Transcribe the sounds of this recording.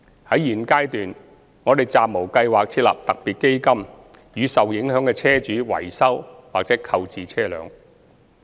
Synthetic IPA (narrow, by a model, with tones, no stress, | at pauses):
hɐ˨˥jjiː˨˩nkaː˥jt̪yː˨n | ŋɔː˨˧t̪e˨jt͡saː˨p̚mo˨˩wkɐ˧jwaː˨k̚t͡sʰiː˧˥t̚lɐ̰˨p̚t̪ɐ˨k̚piː˨t̚ke˥jkɐ˥m | jyː˨˧sɐ˨wjɪ˨˥ŋhœː˨˥ŋkɛː˧t͡sʰɛː˥t͡ʃyː˨˥wɐ̰˨˩jsɐ˥wwaː˨k̚t͡sɛː˨˥kʰɐ˧wt͡siː˨t͡sʰɛː˥lœ̰ː˨˧˥ŋ